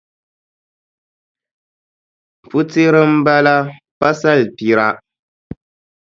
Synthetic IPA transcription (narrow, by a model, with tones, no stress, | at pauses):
pu˦ti˦ɾɨ˦m̩˦ba˦la˦ | pa˦sa˦lpi˨ɾa˦